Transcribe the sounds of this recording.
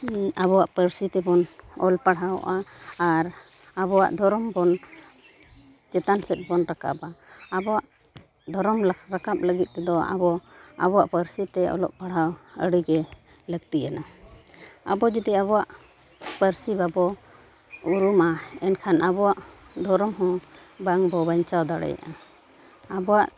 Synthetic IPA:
aβɔwaʔpəɾsit̪ɛbɔnɔ̰lpaɽɦawʔaːɾ | abɔwa̰ʔd̪ʱɔɾɔmbɔn | d͡ʒɛt̪ansɛt̪̚bɔnɾaka̰baːbɔwaʔ | d̪ʱɔɾɔmɾakap̚ləɡit̪̚ˀt̪ɛd̪ɔa̰bɔa̰bɔwaʔpəɾsit̪ɛɔ̰lɔ̰ʔpaɽhawə̰ɽiɡɛ | ləɡ̚t̪iana | a̰bɔd͡ʒɛd̪iaβɔwaʔ | pəɾsibabɔ | uɾumaɛnkʰanʔabɔwaʔd̪ʱɔɾɔmɦɔ̃ | baŋbɔbaɲt͡ʃawd̪aɽɛ̰ja̰ʔa | abɔwaʔ

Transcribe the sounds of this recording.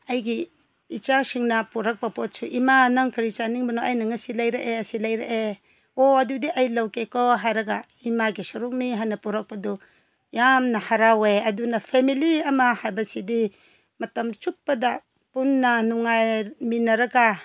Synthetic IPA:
ɐjɡi | it͡ʃasiŋnɐpuɾɐk̚pɐpot̚suʔimanɐŋkʰɐɾit͡ʃaniŋbɐnoʔɐjnɐŋɐsilɐjɾɐʔeɐsilɐjɾḛʔe | oɐdudiʔɐjlɐwkekoɦajɾɐɡa | imaɡisuɾuk̚niɦajnɐpuɾɐk̚pɐdu | jamnɐhaɾaweɐdunɐpʰemiliɐmɐhajbɐsidi | mɐtɐmt͡ʃup̚pːɐdɐ | punːɐnuŋajminɐɾɐɡa

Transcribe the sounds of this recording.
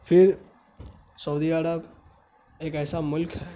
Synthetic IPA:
pʰiɾ | səwd̪iəɾəb | eːkɛːsamʊlkɦɛ

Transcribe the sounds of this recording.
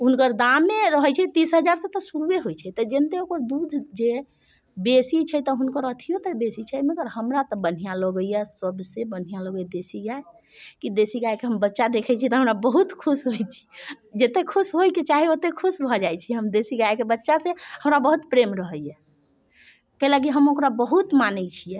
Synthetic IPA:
ɦunkəɾd̪amːeɾəɦəjt͡ʃʰɛt̪isɦəd͡ʒaɾset̪ɔsuɾweɦojt͡ʃʰɛt̪ɔd͡ʒent̪eokəɾd̪ud̪ʱd͡ʒe | besit͡ʃʰəjt̪ɔɦunkəɾət̪ʰijot̪ɔbesit͡ʃʰəməɡəɾhəmɾat̪ɔbən̤ijalɔɡəjɛsəbsebən̤ijãləɡəjd̪esiɡae | kid̪esiɡaekeɦəmbətːʃad̪ekʰɛt͡ʃʰit̪ɔɦəmɾabəɦut̪kʰusɦojt͡ʃʰi̥ | d͡ʒet̪ekʰusɦojket͡ʃaɦiot̪ekʰusbʱɔd͡ʒajt͡ʃʰiɦəmd̪esiɡaekebətːʃasẽhəmɾabəɦut̪pɾemɾəɦəjɛ | kələɡiɦəmokɾabəɦut̪manət͡ʃʰijɛ

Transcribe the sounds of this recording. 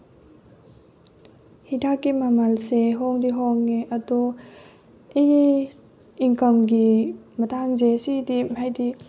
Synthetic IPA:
hitʰakːimamɐlseɦɔŋdiɦɔŋːeʔɐdu | ei | iŋkɐmɡimɐtʰaŋzesidimhajdi

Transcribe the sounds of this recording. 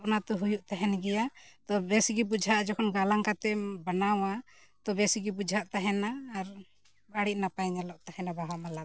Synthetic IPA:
pnat̪ɔɦujuʔt̪aɦɛnɡɛjat̪ɔbɛsiɡibud͡ʒʱaʔd͡ʒɔkʰɔnɡalaŋkat̪ɛbanawa | t̪ɔbɛsiɡibud͡ʒʱaʔt̪aɦɛnaːɾ | baɽiʔ̚napajɲalɔʔt̪ahɛnabaɦamala

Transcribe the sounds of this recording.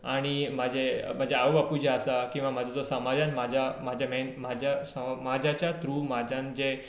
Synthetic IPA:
aɽ̃imad͡ʑem̤əd͡ʑeaʋbapud͡ʑeəsakĩw̃ʋamad͡zʱad͡zosəmad͡ʑãnmad͡ʑʱamad͡ʑʱjamenmad͡ʑʱjasəmad͡ʑʱat͡ɕjat̪ɾuːmad͡ʑʱãnd͡ze

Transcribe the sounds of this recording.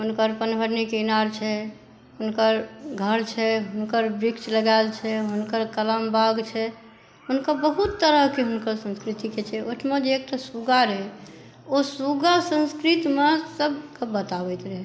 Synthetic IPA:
ɦunkəɾpənbʱəɾnikinaɾt͡ʃʰɛ | ɦunkəɾɡʱəɾt͡ʃʰɛɦunkəɾbɾikt͡ʃləɡaɪlt͡ʃʰɛɦunkəɾkələmbaɡt͡ʃʰɛ | ɦunkəbəɦut̪ːəɾəɦkeɦunkəɾsə̃nskɾit̪iket͡ʃʰɛoʈʰmẽd͡ʒeek̚ʈasuɡaɾɛɦ | osuɡasə̃nskɾit̪mesəbkəːət̪abɛɪt̪ɾɛɦɛ

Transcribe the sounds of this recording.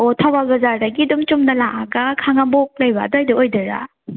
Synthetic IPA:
otʰawalɡɐzaɾdaɡidumt͡ʃumnɐlaŋʔaɡakʰaŋambok̚lɐjbadajdɐojdɐɾa̰

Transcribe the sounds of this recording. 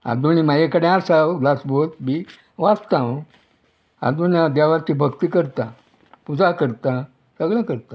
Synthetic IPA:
a̰d̪uñimajekəɽẽasawd̪asbot̪bi | ʋast̪ãw | a̰d̪unjãd̪jaʋat͡ɕibʱəɡt̪iːkəɾt̪ã | pud͡zakəɾt̪a | səɡɭãkəɾt̪ã

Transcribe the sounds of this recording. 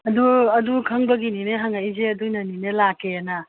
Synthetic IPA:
ɐduɐdukʰɐŋbɐɡinineɦaŋajzeɐdujnɐninelakeana

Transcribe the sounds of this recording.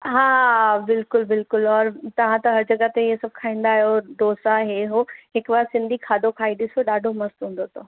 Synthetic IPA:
ɦaːbɪlkʊlbɪlkʊlɔːɾt̪ɐʋ̤ãt̪ɐɦɐɾd͡ʑɐɡət̪eesɐb̚ʱkʰaːĩːnd̪aːɦjod̪oːsaɦeɦoɦɪkʋɐsɪ̃nd̪ʱikʰaːd̪okʰaːiɗɪsoɗaːɖʱomɐst̪ɦũːn̆d̪ot̪ʰoː

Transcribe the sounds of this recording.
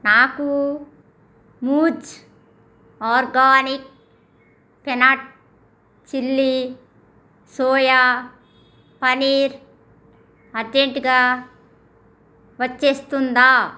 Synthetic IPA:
naːku | muːd͡ʒ | aːɾɡaːnik̚ | pɛnaʈ̚ | t͡ʃilːi | soːja | pɐniːɾ | ɐd͡ʒeɳʈiɡaː | ʋɐt͡ʃːeːst̪und̪aː

